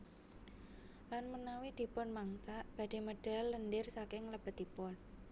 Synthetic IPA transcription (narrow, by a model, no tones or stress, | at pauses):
lanmənawid̪̥i̤pʊnmaŋsaʔb̥a̤d̥̪e̤məɖ̥a̤lːəndɪrsakɪŋləb̥ət̪̚d̪ipʊn